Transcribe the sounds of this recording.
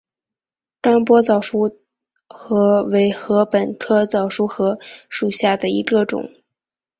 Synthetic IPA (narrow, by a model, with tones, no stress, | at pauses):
t̪a˥npwɔ˥t͡sɑ˨˩ʊʂu˥ | xɤ˧˥we˧˥ɪxɤ˧˥pə˨˩nkʰɤ˥t͡sɑ˨˩ʊʂu˥xɤ˧˥ʂu˨˩ɕja˥˩d̪ə˩ḭ˧˥ɡə˧ʈ͡ʂʊ̰˨˩˦ŋ